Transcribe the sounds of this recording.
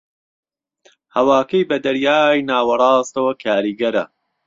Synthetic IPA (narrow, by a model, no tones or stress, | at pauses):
hɐwaːkɐjbɐd̪ɐɾjaːjnaːwɐrˤɑːst̪ɐwɐkʰaːɾiːɡɐɾɐ̰